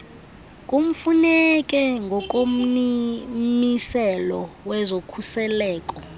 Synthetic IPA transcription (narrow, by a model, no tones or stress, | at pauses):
k̬ʼum̩funɛk̬ʼɛŋɡʱɔk̬ʼom̩ | nisɛlɔwɛzokʰusɛlɛːkʼɔ